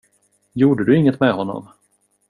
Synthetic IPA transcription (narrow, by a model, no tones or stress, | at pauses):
juːɖəd̪ɵɪŋːət̪mɛɦɔnːɔ̰m